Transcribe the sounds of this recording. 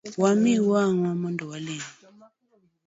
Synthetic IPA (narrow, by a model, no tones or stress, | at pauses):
wamiwaŋamɔndɔwali